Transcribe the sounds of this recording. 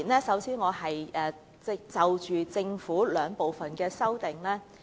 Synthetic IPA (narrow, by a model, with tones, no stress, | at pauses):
nlɛː˥sɐ˨˥wsiː˧˥nŋɔː˨˧hɐ˨jʔɛː˨ | t͡sɛ˥˩t͡sɐ˨wt͡ʃyː˨t͡sɪ˧ŋfuː˨˥lœː˨˧ŋpo˨wfɐ˨nkɛː˧sɐ˥wt̪ɪ˨˩ŋlɛː˥